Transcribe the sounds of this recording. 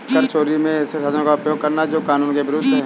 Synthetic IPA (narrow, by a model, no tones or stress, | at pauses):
kəɾt͡ʃoːɾimẽɪsesɐd̪ʱõkaʊpjoːɡ̚kɐɾnad͡ʒoːkaːnuːnkeʋɪɾʊd̪ʱːɦɛ̃ː